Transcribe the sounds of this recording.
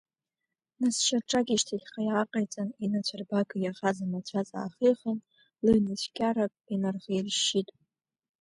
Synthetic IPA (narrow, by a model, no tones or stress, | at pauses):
nasʃaʈ͡ʂʼaɡʲiʃtʰaɬʲχajaːqʼajt͡sʼaninat͡ɕʷʰarbaɡɨjaʁazanat͡ɕʷʰat͡sʼa̰ːχijχən | lɨnɨt͡ɕʷʰkʲʰʼaɾakʼinarʁʲejrʃitʼ